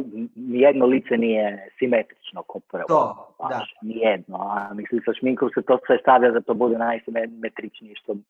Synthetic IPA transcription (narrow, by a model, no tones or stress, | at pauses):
nijed̪nolit̪senijesimet̪ɾit͡ʃnokʰopoɾɛba̰ʃnijɛd̪noamislimsaʃmiŋkoset̪osʋest̪aʋʎad̪at̪obud̪enajsimemet̪ɾit͡ʃnijɛʃt̪o